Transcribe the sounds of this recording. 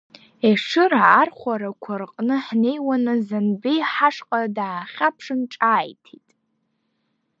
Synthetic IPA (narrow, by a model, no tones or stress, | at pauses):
eʂɨraːrχʷaɾakʷʰarqʼnɨħne̞jwanɨzanbijħaʂqʼadaːχʲapʰʂɨnʈ͡ʂʼaːjtʰitʼ